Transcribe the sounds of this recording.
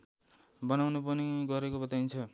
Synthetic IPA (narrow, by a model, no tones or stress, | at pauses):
bʌnawnupʌniɡʌɾekobʌt̪ajnt͡sʰʌ